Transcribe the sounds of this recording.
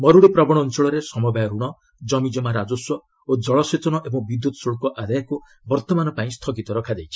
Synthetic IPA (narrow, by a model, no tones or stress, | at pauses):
mɔɾuɽepɾɔbɔɽ̃ɔːnsɔɭɔɾesɔmɔbajɔɾuɽ̃ɔ | d͡ʒɔmid͡ʒɔmaɾad͡ʒosɔ | od͡ʒɔɭɔset͡ʃɔnɔʔebɔŋbid̪jut̪ɔ̥soɭkɔʔad̪ajɔku | bɔɾt̪ɔmanɔpaĩst̪ʰɔkit̪ɔɾɔkʰad̪ejt͡ʃʰi̥